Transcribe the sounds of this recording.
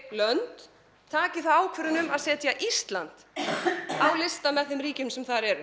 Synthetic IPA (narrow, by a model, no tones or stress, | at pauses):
lœnt̪ | t̪ʰːaːcɪθawaːwkʰvɛɾʏnʏmaðsɛːt̪jaʔist̪la̰nt̪ | awlɪst̪amɛðθɪmɾiːcɪmsɛmθaɾɛɾʏ